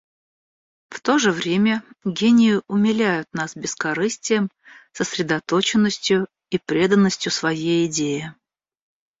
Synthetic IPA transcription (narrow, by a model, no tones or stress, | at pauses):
ft̪o̞ʐɨvɾʲemʲəɡʲenʲɪjʊʔʊmʲɪlʲæjʊt̪nasbʲɪskɐɾɨsʲtʲɪjəm | səsɾʲɪd̪ɐt̪ot͡ɕɪnːəsʲtʲjʊ | ipɾʲe̞d̪ənːəsʲtʲjʊsvɐjejɪdʲejɪ